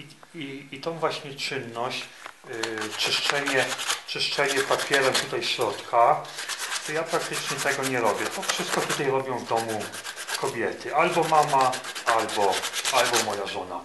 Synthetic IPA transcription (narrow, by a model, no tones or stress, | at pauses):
iiit̪ɔ̃w̃vwaɕɲɛt͡ʂɘnːɔɕt͡ɕ | t͡ʂɘʂt͡ʂɛɲɛt͡ʂɘʂt͡ʂɛɲɛpapʲjɛɾɛmt̪ut̪ajɕɾɔt̪kʰa | t̪ɔjapɾak̚t̪ɘt͡ʂɲɛt̪ɛɡɔɲɛɾɔbʲjɛt̪ɔfʂɘst̪kɔt̪ut̪ajɾɔbʲjɔ̃w̃vd̪ɔmu | kɔbʲjɛt̪ʰɘʔalbɔmamaalbɔalbɔmɔjaʐɔna̰